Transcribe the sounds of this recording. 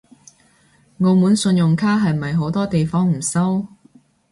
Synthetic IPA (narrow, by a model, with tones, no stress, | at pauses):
ŋoː˨˧wmuː˨˥nsɵ˧njʊ˨˩ŋkʰaː˥ɦɐ˨jm̩˨ɐ˨jɦo˨˥wt̪ɔː˥t̪e˨jfɔː˥ŋm̩˨˩sɐ˥w